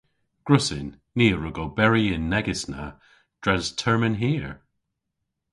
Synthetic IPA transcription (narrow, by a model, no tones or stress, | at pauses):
ɡ̥ɹʊsɪnːiːəɹʊɡobɛɹiɪ̃nːɛɡɪsna̰ | d̥ɹɛztʰɛɹmə̃nɦiːɹ